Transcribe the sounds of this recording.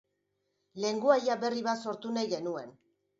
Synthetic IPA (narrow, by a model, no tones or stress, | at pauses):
le̞ŋɡuajaβe̞riβaso̞ɾt̪unajɣe̞nue̞n